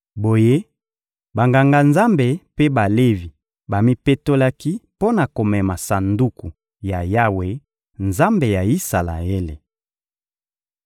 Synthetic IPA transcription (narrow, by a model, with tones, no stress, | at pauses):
bo˨je˦ | ba˨ŋɡa˨ŋɡa˨nza˦mbe˨pe˦ba˨le˦vi˨ | ba˨mi˦pe˦to˦la˦ki˦po˦na˨ko˨mɛ˨ma˨sa˨ndu˦ku˨ | ja˨ja˦we˨ | nza˦mbe˨ja˨i˦sa˨la̰˨e˦le˨